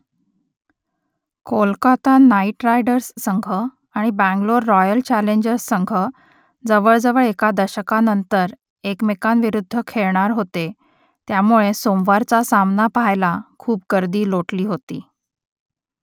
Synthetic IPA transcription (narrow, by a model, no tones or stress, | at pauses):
kʰolkat̪anaiʈɾajɖəɾsːəŋɡʱə | aɽ̃ibæ̃ŋɡloɾːɔjəlt͡ɕæleɲd͡ʑəɾsːəŋɡʱə | d͡zəʋəɭd͡zəʋəɭekad̪əɕəkanənt̪əɾ | ekmekanʋiɾud̪ʱːəkʰeɭɳaɾɦot̪e | t̪jamuɭesomʋaɾt͡sasamnapajlakʰuːp̚ɡəɾd̪iːloʈliːɦot̪ḭː